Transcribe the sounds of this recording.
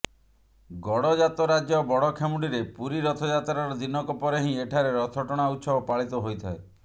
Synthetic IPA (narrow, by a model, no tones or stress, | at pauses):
ɡɔɽɔd͡ʒat̪ɔɾad͡ʒjɔbɔɽɔkʰemuɽiɾepuɾiɾɔt̪ʰɔd͡ʒat̪ɾaɾɔd̪inɔkɔpɔɾeɦĩeʈʰaɾeɾɔt̪ʰɔʈɔɽ̃aut̪sɔbɔpaɭit̪ɔɦojt̪ʰae